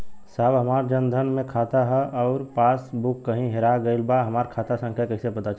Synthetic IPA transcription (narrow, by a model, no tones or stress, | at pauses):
saːbɦɐmaːɾd͡ʒənd̪ʱənmẽkʰaːt̪aɦɛʔɔʊɾpaːsbʊkːəɦĩɦeɾaɡəɪlbaɦɐmaːɾkʰaːt̪asə̃ŋkʰjakɐɦĩsepət̪at͡ʃʰ